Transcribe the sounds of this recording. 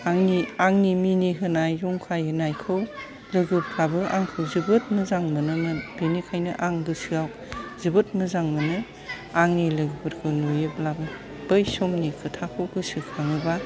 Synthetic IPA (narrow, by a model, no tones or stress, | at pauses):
aŋniaŋniminiɦɯnajɾuŋkʰajɯnajkʰɯw | lɯɡɯplabɯʔa̰ŋkʰɯwzɯbɯt̚mɯzaŋmɯnɯnɯbenikʰajnɯʔaŋdɯsɯaw | zɯbɯt̚mɯzaŋmɯnɯ | aŋnilɯɡɯbʰɯɾkʰɯwnojɯplabɯ | b̥ɯjsomnikʰɯtʰakʰɯwɡɯsɯkʰaŋɯba